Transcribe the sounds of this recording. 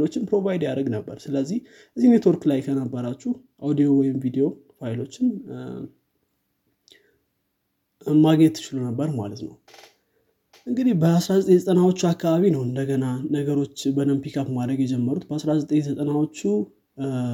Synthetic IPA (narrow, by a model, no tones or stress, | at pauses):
lo̞t͡ʃːɪnpɾo̞vajd̪jaɾəɡnəbːəɾsɨləzːih | ʔɨzːine̞t̪ʰwo̞ɾklajkʰənəbːəɾat͡ʃːuh | ʔawd̪ijo̞wɔjɪmvid̪ijo̞ | fajlo̞t͡ʃːɪn | maɡɲɛt̪ːʰɨ̥t͡ʃɪlunəbːəɾma̰lət̪nə̰w | ʔɨŋɡɨd̪ihbəasɾazət̪ʼeɲzət̪ʼənawo̞t͡ʃːuakːaβaβinəwɨnd̪əɡənanəɡəɾo̞t͡ʃːbənəmpikʰapmad̪ɾəɡjɛd͡ʒɛmːəɾut̪bəasɾazət̪ʼeɲzət̪ʼənawo̞t͡ʃːu